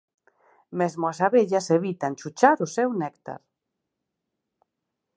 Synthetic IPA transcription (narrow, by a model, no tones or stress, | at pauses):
mezmʊasaβeʎaseβit̪ant͡ʃut͡ʃaɾʊsɛwnɛkt̪a̰ɾ